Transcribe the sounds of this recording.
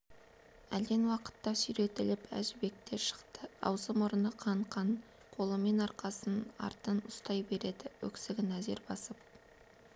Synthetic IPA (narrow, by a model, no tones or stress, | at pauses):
æld̪e̞nwɑqə̥t̪ːɑsʏjɾe̞t̪ɪlɪpæ̰ʒɪbe̞k̚t̪e̞ɾʃə̥qt̪əɑ̰wzəmʊɾənəqʰɑɴqʰɑɴ | qʰo̞lˠəme̞nɑɾqʰɑsənɑ̰ɾt̪ənʊst̪ɑjbe̞ɾe̞d̪ɪwɵ̰ksɪɡʲɪnæze̞̰ɾbɑsəp̚